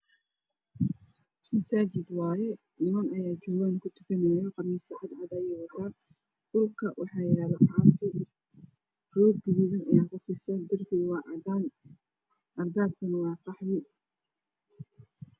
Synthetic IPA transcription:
mɐsaːt͡ʃɪd̪wɑːjɛ | nɪmɐnɐjaːd͡ʒʊwaːnkʰʊt̪ʰʊ̥kʰɐnɛjɔqɑmɪsɐʕɑd̪ʕɑd̪ɐjɛjwɑt̪ʰaː | d̥ʊlkʰɐwɑħɑːjɛːlɐʔɑːfɪ | rɔːɡ̚ɡɪlɪðɐnɐjaːkʰʊfɪsɐnd̪ɐrkʰiwɑːʕɑd̪aːn | ʔɐrd̪aːd̪̚kʰɐnwɑːqɑħlɪ

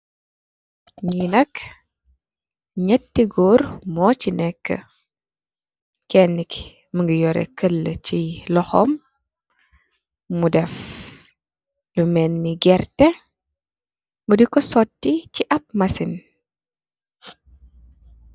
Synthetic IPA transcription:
ɲinɐk | ɲətːiɡɔːɾmɔːcinɛkːə̰ | kɛnːik | məŋɡijɔɾɛ̰kəlːəcilɔxɔ̰m | udɛf | lumɛnːiɡɛrtɛ | mudikɔsɔtːiciʔɐp̚mɐsin

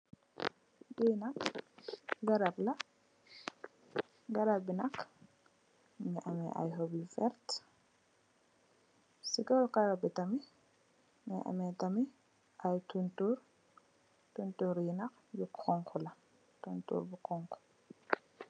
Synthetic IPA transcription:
dinak | ɡaɾablɐ | ɡaɾabːinɐk | ŋɛʔamɛ̰ʔa̰jɦobifɛɾt | siɡɔlkahɔbitami | ŋɛ̰ʔa̰mɛtami | ʔajtuntuɾ | tuntuɾjinak | jukʰːɔŋkʰɔla | tuntṵːɾbukɔŋkɔ̥

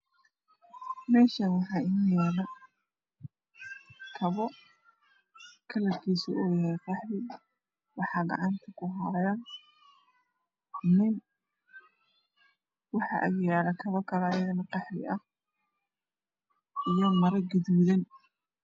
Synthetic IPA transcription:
mɛːʃɐnwɑħɑːʔɪnjɛːlɐ | kʰɐβɔ | kʰɐlɐrkʰiːsʊɔːjɐhɛjqɛħlɪ | wɑħɑːɡɑ̰ʕɑnt̪ʰɐkʰʊɦɾɐjɐ | nɪn | wɑħɑ̰ʔɐjjɛːlɐkʰɐβɔkʰɐlɐːjɐðɐnɐqɛħlɪ̰ʔɐh | ʔijɔmɐɾɐɡɪðuːðɐn

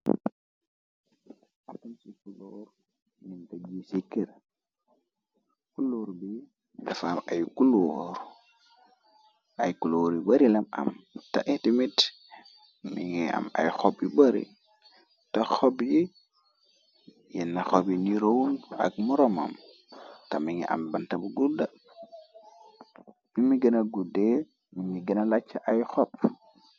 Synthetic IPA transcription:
atunsikuloɾ | mintad͡ʒisikːiɾa | kuloɾbi | dafamajkuloɾ | ʔajkuloɾibaɾilama̰mtaʔetimit | miŋia̰ma̰jxopjibaɾḭ | taxobji | jɛnːaxobjiniɾowuna̰ɡ̚muɾoma̰m | tamiŋḭʔa̰mbantabuɡuda | mimiɡənaɡude | mimiɡənalat͡ʃːaʔajxop̚

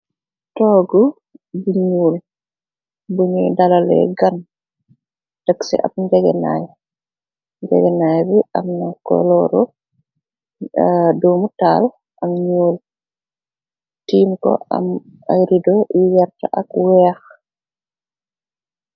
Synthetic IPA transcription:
tɔːɡu | buɲuːl | buɲidalalɛ̰ɡan | taksɛ̰ʔapɲd͡ʒɛɡɛna̰j | ɲd͡ʒɛ̰ɡɛnajbiʔamnakɔ̰lɔɾɔ | doːmutal | ʔamɲuːl | tiːmkɔ̰a̰m | a̰jɾidɔiwɛɾtaʔakwɛːx

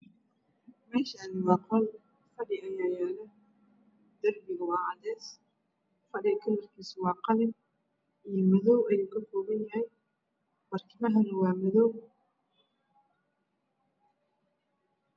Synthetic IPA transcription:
mɛːʃɐnɪwɑːqɐl | fɐɽɪʔɐjaːjaːlɐ | d̪ɐrbɪɣɐwɑːʕɑdɛːs | fɐɽɪkʰɐlɐrkʰiːsʊwɑːqɑlɪ | ijɔmɐðɔwɐjɪkʰɐkʰɔːβɐnjɐhɛj | mɐrkʰɪmɐɦɐnɐwɑːmɐðɔw

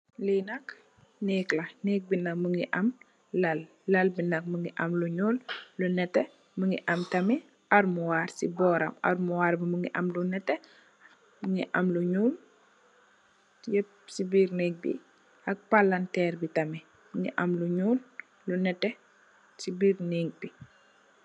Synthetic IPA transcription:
linɐk | nɛːklɐnɛːk̚binɐk̚məŋɡiʔɐm | lɐlː | ɐlbinɐk̚məŋɡiʔɐmluɲuːllunɛtːɛ | məŋɡiʔɐmtɐmi | ɐɾmuwaːrsibɔːɾɐ̰mɐ̰ɾmuwaːɾbiməŋɡiʔɐmlunɛtːɛ | məŋḭʔɐmluɲuːl | jɛp̚ | sibiːɾnɛːk̚bḭ | ʔɐk̚palɐntɛːɾbitɐmi | məŋɡḭʔɐmluɲuːlː | unɛtːɛ | sibiːrniːk̚bi

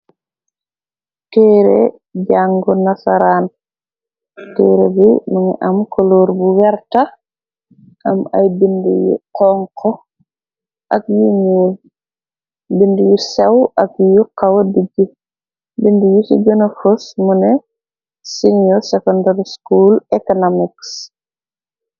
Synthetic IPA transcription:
tɛɾḛ | ɟaŋɡɔnasaɾan | tɛɾebinuŋɛ̰ʔamkoloɾbuwɛɾta | ʔama̰jbindujṵqɔŋkʰɔ | ʔakjuɲuːl | bindujusɛwakjuqawadiɡi | bindujusḭɡɔnofosmunɛ | sinosekɔndaɾiskulekonomiks

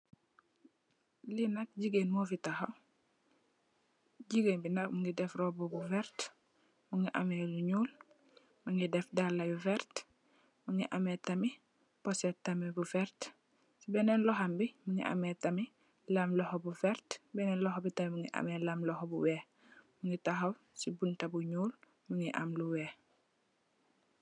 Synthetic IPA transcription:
linak̚ɟiɡenmofitaxa | ɟiɡeːnbinakmuŋɡidɛfɾobobuvɛɾt | muŋɡiʔa̰meluɲuːl | muŋɡidɛfdalːabuvɛɾt | muŋiʔametami | posetamibufɛɾt | sibɛnenlɔɦambimuŋɡḭʔa̰metami | lamlɔhobufɛɾtbɛnɛːnlɔhobitamimuŋɡiʔa̰melamlɔhobuwɛ | muŋɡitaɦof | sibuntabuɲuːl | muŋɡiʔa̰mluweː

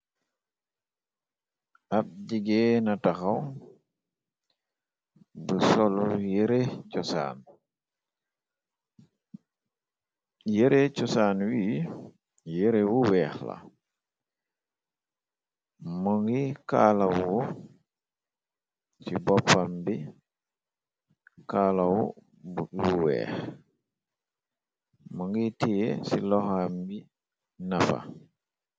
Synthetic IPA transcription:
ap̚ɟiɡɛnataxaw | bəsɔlujeɾecɔsa̰ːn | jeɾecɔsaːnwiː | jeɾewuwɛːxla̰ | muŋɡikaːlawuwu | sibɔpːambi | kaːlawṵ | juwɛ̰ːx | muŋɡitijesilɔxambi | nafa̰

